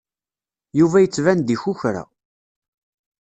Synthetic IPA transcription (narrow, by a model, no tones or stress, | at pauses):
juvæjət͡sːvænd̪içʊçɾa̰